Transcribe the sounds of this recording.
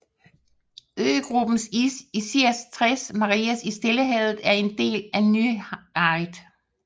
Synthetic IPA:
øːɡ̥ʁub̥n̩siisiæst͡sʰʁɛsmɑ̈ʁiːæsisd̥eləɦɛðˠð̩ˠæɐe̝nd̥e̝̰ːlæny̥ɑɪd̥

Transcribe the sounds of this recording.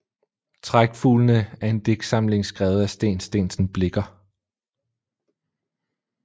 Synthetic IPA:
t͡sʰʁaɡ̥fṵːlnəæe̝nd̥e̝ɡ̥sɑ̈mle̝ŋsɡ̥ʁɛːʊð̩ˠæsd̥e̝̰ːnsd̥e̝̰ːnsn̩b̥le̝ɡ̥ɐ

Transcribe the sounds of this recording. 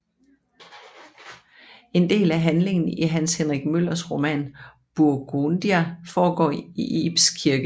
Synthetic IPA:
e̝nd̥e̝̰ːlæɦænle̝ŋn̩iɦænshenʁiɡ̥̚møl̰ɐsʁo̝mæ̰n | b̥uɐɡ̥ond̥iæfɒːɡ̥ɒ̰ːiʔḛb̥skʰiɐɡ̥ə

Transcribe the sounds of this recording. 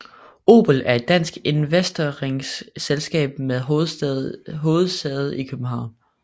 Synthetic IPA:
o̝̰ːb̥əl̩æɐe̝d̥ːæn̰sɡ̥e̝nʋesd̥ɐʁeŋsselsɡ̥ɛ̰ːb̥̚meðˠ | ɦo̝ːð̞̩ˠsd̥ɛð̞̩ˠikʰøb̥̚m̩ɦɑ̈ʊ̰n

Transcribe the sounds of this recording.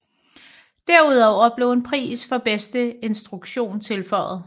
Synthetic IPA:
d̥æɐ̰uð̞̰ˠɒʊ̰ɐb̥le̝ʊe̝npʰʁḭːsfɒ̽b̥esd̥əe̝nsd̥ʁuɡ̥ɕo̝̰ːnt͡sʰe̝lfɒ̰ːð̩ˠ

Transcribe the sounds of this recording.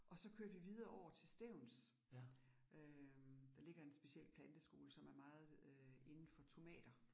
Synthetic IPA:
ʔɒ̽sɒ̽kʰø̰ːɐʋiʋið̞ˠɐʔɒʊ̰ɐt͡sʰe̝lsd̥eʊ̰ns | ʔød̥ɑ̈le̝ɡ̥ɐe̝nsb̥e̝siel̰pʰlænd̥əsɡ̥o̝ːləsɒ̽mæɐmɑ̈ːð̞̩ˠe̝nn̩fɒ̽t͡sʰo̝mɛ̰ːd̥ɐ

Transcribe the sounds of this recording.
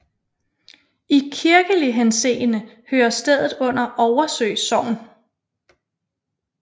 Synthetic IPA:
ikʰiɐɡ̥əliɦensḛːnə | høːɐsd̥eð̞̰ˠð̩ˠɔ̽n̰ɐʔɒʊɐsø̰ɪsɒ̽ʊ̰n

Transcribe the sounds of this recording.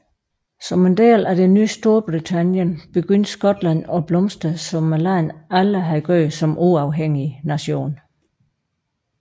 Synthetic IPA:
sɒ̽mend̥ḛːlæd̥enːyːsd̥o̝ɐb̥ʁit͡sʰænjənb̥e̝ɡ̥øn̰d̥sɡ̥ɒ̽d̥læn̰ɒ̽b̥lɔ̽msd̥əsɒ̽mælɑɪnæləɦæðˠɡ̥øːsɒ̽mʔuɑ̈ʊɦeŋ̰inæɕo̝̰ːn

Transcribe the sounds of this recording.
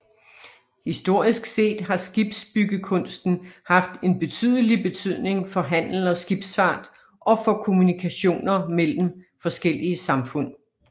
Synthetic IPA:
hisd̥o̝ɐ̰isɡ̥se̝̰ːd̥ɦɑ̈sɡ̥ib̥sb̥yɡ̥əkʰɔ̽nsd̥n̩hɑ̈fd̥e̝nb̥e̝t͡sʰy̰ð̞̰ˠəlib̥e̝t͡sʰyð̞̰ˠne̝ŋfɒ̽ɦæn̰l̩ɒ̽sɡ̥ib̥sfɑ̈ːd̥ | ʔɒ̽fɒ̽kʰo̝munikʰæɕo̝̰ːnɐmel̰m̩ | fɒ̽sɡ̥el̰iəsɑ̈mfɔ̽n̰

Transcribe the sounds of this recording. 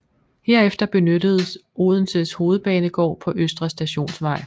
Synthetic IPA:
he̝ɐefd̥ɐb̥e̝nødəð̞̩ˠoːð̞ˠn̩seðˠsho̝ːð̩ˠb̥ɛːnəɡ̥ɒ̰ːpʰɒ̽ʔøsd̥ʁɐsd̥æɕo̝̰ːnsʋɑ̈ɪ̰

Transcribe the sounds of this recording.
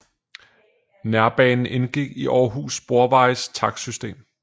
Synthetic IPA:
næɐb̥ɛːnn̩enɡ̥iɡ̥iʔɒːɦṵːsb̥o̝ɐʋɑ̈ɪst͡sʰɑ̈ɡ̥sysd̥e̝̰ːm

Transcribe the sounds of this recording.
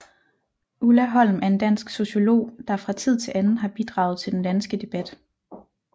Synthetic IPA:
ʔulæɦɒ̽l̰mæɐe̝nd̥æn̰sɡ̥so̝ɕo̝lo̝̰ːd̥ɑ̈fʁɑ̈t͡sʰið̞̰ˠt͡sʰe̝lʔænn̩ɦɑ̈b̥id̥ʁɑ̈ʊð̞̩ˠt͡sʰe̝ld̥end̥ænsɡ̥əd̥e̝b̥æd̥

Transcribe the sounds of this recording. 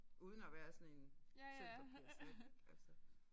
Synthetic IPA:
ʔuːð̞ˠənɒʋæːɐsɒ̽ne̝nt͡sʰe̥ɒbieɡ̥ælsə

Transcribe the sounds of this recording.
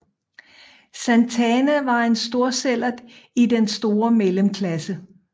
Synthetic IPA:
sænt͡sʰɛnəʋɑ̈e̝nsd̥o̝ɐ̰sel̰ɐd̥id̥ensd̥o̝ːɐmeləmkʰlæsə

